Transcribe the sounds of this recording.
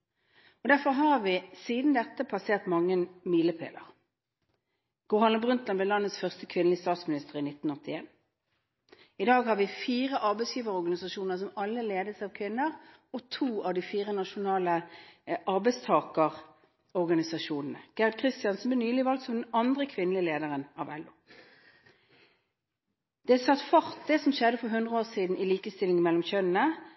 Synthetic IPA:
ɔd̪æʁfɔʁɦɑʁʋɪsiːd̪n̩d̪ɛt̪ːəpʰɑseːʁt̪mɑŋːənmiːləpʰḛːlə̰ʁ | ɡ̥ʊːhɑnəmbʁʉnt̪lɑnblɛlɑnːət̪sfœʁst̪əkʰʋɪnlɪst̪ɑːt̪smɪnɪst̪əʁɪnɪt̪ːn̩ɔt̪ːɪeːn | ɪd̪ɑːɡhɑʁʋɪfiːʁəʔɑʁbɛɪsjiːʋəʁəɔʁɡɑnɪsɑʃuːnəʁs̬ɔmɑlːəleːd̪əsɑʋkʰʋɪnːəʁ | ɔt̪ʰuːɑʋd̪ifiːʁənɑʃʊnɑːləʔɑʁbɛɪst̪ʰɑːkəʁ | ɔʁɡɑnɪsɑʃuːnn̩əɡ̥æʁɑd̪̚kʰʁɪst̪ɪjɑnsɔmblɛːnyːlɪʋɑlk̚t̪sɔmd̪ɛnɑnd̪ʁəkʰʋɪnlɪəleːd̪əʁənɑʋɛ̰lːʊː | d̪̥ɛsɑt̪ːfɑʁt̪̚d̪ɛsɔmʃɛd̪ːəfɔɦʉnd̪ʁəoːsiːd̪n̩ɪliːkəst̪ɪlɪŋəmɛlːɔmçœnənə

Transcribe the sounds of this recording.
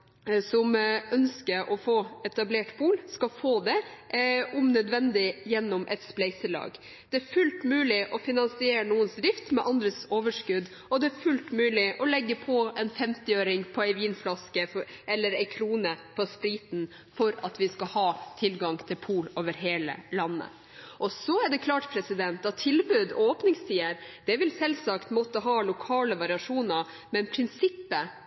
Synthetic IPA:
sɔmœnskəɾʔɔfoːɛt̪ɑbleːʈpʰuːlskɑfoːd̪ɛ | ʊmnœd̪ʋɛnd̪ɪjɛnːɔmʔɛ̰t̪splæɪsəlɑ̰ːɡ | d̪̥ɛæɾfʉlt̪mʉːlɪʔɔfɪnɑnsɪeːɾnuːənsd̪ɾɪft̪mɛʔɑnd̪ɾəsoːʋəʂkʉd̪ | ɔd̪ɛæfʉlt̪mʉːlɪʔɔlɛɡːəpʰɔɛnfɛmt̪ɪøːɾɪŋpʰɔæɪʋiːnflɑskəfʔɛlːəɾɛɪkʰɾuːnəpʰɔst̪ɾiːt̪n̩ | fɔɾɑt̪ʋɪskɑhɑːt̪ʰɪlɡɑŋt̪ʰɪlpʰuːloːʋəɾɦeːlə̰lɑnːə̰ | ʔɔsɔæɖɛkʰlɑːʈpʰɾɛsɪd̪ɛnt̪̚d̪ɑt̪ʰɪlbʉːd̪oːpnɪŋst̪ʰiːəɾd̪̥ɛʋɪlsɛlsɑkt̪mɔt̪ːəɦɑːlʊkʰɑːləʋɑɾɪɑʂuːnə | mɛnpʰɾɪnsɪpːə

